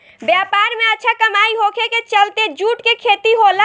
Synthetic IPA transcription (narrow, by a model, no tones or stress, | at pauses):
bjapaɾmeətːt͡ʃʰakəmaiɦokʰeket͡ʃəlt̪ed͡ʒuʈkekʰet̪iɦola